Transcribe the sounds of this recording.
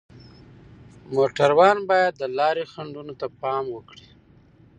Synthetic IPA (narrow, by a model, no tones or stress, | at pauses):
moʈaɾwɑnbɑjad̪ːəlɑɾixaɳɖunot̪apɑmwəkɽi